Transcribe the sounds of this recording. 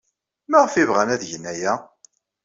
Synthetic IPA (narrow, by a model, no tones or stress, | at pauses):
mæʁfivʁænæðʝənːæjæ